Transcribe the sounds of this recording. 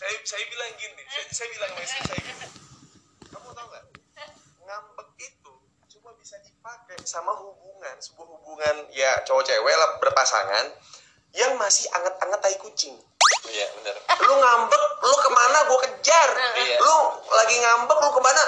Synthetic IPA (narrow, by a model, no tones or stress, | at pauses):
sajasajabilaŋɡiɪsasajabilaŋnisasajabilaŋ | kamut̪auka | ŋambək̚it̪u | subabisadipakasamaɦubuŋansəbuaɦubuŋanjat͡ʃowɔt͡ʃewɛlahbərpasa̰ŋa̰n | jaŋmasɪha̰ŋət̪̚aŋət̪aikut͡ʃɪŋ | ja̰bənərluŋambək̚lʊkəmanabuakəd͡ʒarlʊlaɡiŋambək̚lokəmana